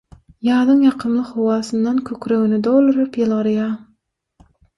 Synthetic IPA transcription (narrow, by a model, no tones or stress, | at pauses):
jɑːd̪ɯŋjɑqʰɯmlˠɯχowɑːsɯnd̪ɑnkʲʰøkʲɾøɣynɪd̪olˠuɾɯpjɨlˠʁɯɾjɑ